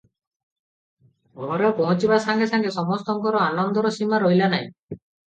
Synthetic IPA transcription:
ɡʱɔɾepɔɦũt͡ʃibasaŋɡesaŋɡesɔmɔst̪ɔŋkɔɾɔanɔnd̪ɔɾɔsimaɾojlanaḭ̃

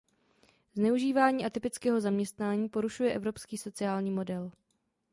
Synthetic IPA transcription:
znɛuʒiːvaːɲiːʔat̪ɪpɪt͡skɛːɦo̞zamɲɛst̪naːɲiːpo̞ɾuʃujɛʔɛvɾo̞pskiːso̞t͡sɪaːlɲiːmo̞dɛl

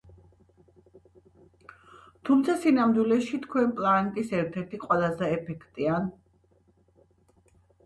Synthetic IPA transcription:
t̪ʰumt̪sʰasinamd̪wilɛʃit̪ʰkʰwɛnpʼlanɛt̪ʼisɛɾt̪ʰɛɾt̪ʰiqʼwɛlˠazɛːpʰɛkʰt̪ʼian

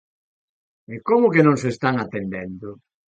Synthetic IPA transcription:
ekomʊkenõŋsest̪aŋat̪end̪ɛnd̪ʊ

